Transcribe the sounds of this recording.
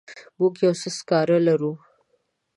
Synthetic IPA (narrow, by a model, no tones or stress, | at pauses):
bukjawsəskɑɾalaɾu